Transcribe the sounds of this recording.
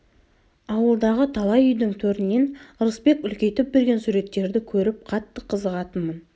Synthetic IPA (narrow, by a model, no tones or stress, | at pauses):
ɑwəlˠd̪ɑʁət̪ʰɑlˠɑjʏjd̪ɪŋt̪ʰɵɾɪnːe̞nʊɾəsbe̞kʏlkʲe̞jt̪ɪp̚be̞ɾɡʲe̞nsuɾe̞t̪ːe̞ɾd̪ɪkʲʰɵɾɪp̚qʰɑt̪ːəqʰəzəʁɑt̪ənmən